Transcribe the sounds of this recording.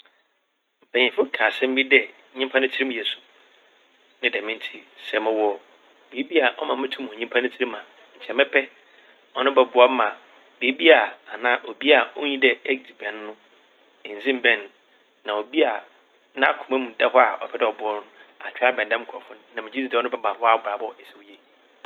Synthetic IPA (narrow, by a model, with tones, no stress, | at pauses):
m̩˨pʰɛ˨ɲɪ̃˨fʊ˦˨kʰaː˨sɛ̃˦m̩˦bi˦dɛ˨˦ | ɲĩ˦m˦pʰã˦nʊ̃˦tʰi˦ɾi˦m̃˨jɛ˨sʊ̥˨ | nɪ̃˦dɛ˨mɪ̃˦n˦tʰi˦sɛ˨mɪ̃˦wɔ˦˨ | bi˨˦bi˦a˨ʔɔ̰˦mã˨m˦ɪ̃˦tʰũ˦m̃˨ɲĩ˦m˦pʰa˦nʊ̃˦tʰi˦ɾi˦mã˨ | ɲ̩˨t͡ɕʰɛ˨mɛ̃˦pʰɛ˦ | ɔ˦nʊ̃˦bɛ˨bʊ˦ɔ˦mã˨ | bi˨˦e˦bi˦a˨a˨nãː˦ʔo˨bi˦a˨o˦ɲĩ˦dɛ˦ɛ˦ɡ̚di˨bɛ̃˨nː˦ʊ̃˦ | ɪ˨n̩˨zĩ˦m̩˦˨bɛ̃˦nː | ã˨o˨bi˦a˨ | nã˦˨kʰʊ˨mɛ̃˦mũ˨da˦hɔ˦a˨ʔɔ̰˨pʰɛ˦dɛ˦˨ɔ˨bʊ˨˦ɔ˦n˦a̰˨t͡ɕᶣa˦bɛ̃˨n˨dã˦m˦kʰʊ˨ɔ˨fʊ̃˦nnã˨mɪ̃˨d͡ʑi˦i˦˨dɛ˦ɔ˦nʊ̃˦bɛ˦mã˨ɔ˦a˦˨bɾa˨bɔ˦˨ɛ˨sɛ˨wje˦